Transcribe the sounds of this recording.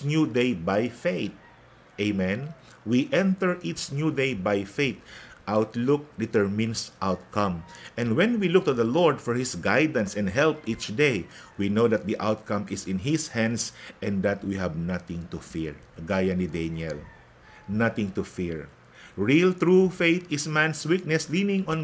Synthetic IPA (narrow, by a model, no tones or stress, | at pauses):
njud̪ejbajfeɪt̪̚ | ʔeɪmɛ̃n | wiʔɛ̃nt̪ɛɹʔitsnjud̪ejbajfejt̪̚ʔawt̪lʊk̚d̪ɛt̪ɛɹmɪ̃nsʔawt̪̚kãmʔɛ̃ndwɛ̃nwilʊk̚t̪ʊðɐlɔɹd̪fɔɹhɪsɡajd̪ãnsɛ̃nd̪ɦɛlpit͡ʃd̪ejwinowd̪ɐt̪̚d̪iʔawt̪̚kɐ̃mɪsɪ̃nɦɪshæ̃nd̪sʔɛ̃nd̪at̪̚wiɦabnat̪ɪ̃ŋt̪ʊfiɹ | ɡajɐnid̪enɛl | nat̪ɪ̃ŋt̪ʊfiɹ | ɹilt̪ɹufeɪt̪ɪsmæ̃nswik̚nɛslinɪ̃ŋɔ̃n